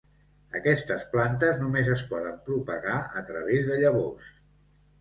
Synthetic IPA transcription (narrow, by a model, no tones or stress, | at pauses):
əkɛst̪əsplant̪əznumezəspɔðəmpɾupəɣaət̪ɾəβezðəʎəβos